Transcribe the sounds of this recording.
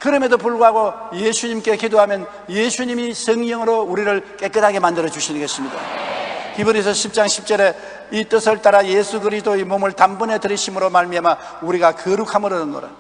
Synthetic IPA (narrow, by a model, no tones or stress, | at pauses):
kɯɾʌmedopuɭɡoɦaɡojesʰuɲimk͈e̞kidoɦamjʌn | jesʰuɲimisʰʌŋɲʌŋɯɾouɾiɾɯɭk͈e̞k͈ɯdʰaɡe̞mandɯɾʌd͡ʑuɕʰinɯnɡʌɕʰimɲida̰kibɯɾis̬ʰʌɕʰip̚t͡ɕ͈aŋɕʰip̚t͡ɕ͈ʌɾe̞ | it͈ɯsʰɯɭt͈aɾajesʰukɯɾisʰdoemomɯɭtambune̞tɯɾiɕʰimɯɾomaɭmiama | uɾiɡakɯɾukʰamɯɾɯnɯnːo̰ɾa̰